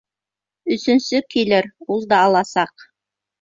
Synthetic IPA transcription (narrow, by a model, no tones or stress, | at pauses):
ɵ̆sɵ̆nsɵkilɘɾulˠd̪ɑːlˠɑsɑq